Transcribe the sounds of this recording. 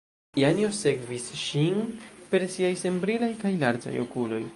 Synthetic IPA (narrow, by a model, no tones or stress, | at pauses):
janiosekvisʃinpe̞ɾsiajse̞mbɾilajkajlaɾd͡ʒa̰jo̞̰kulo̞̰j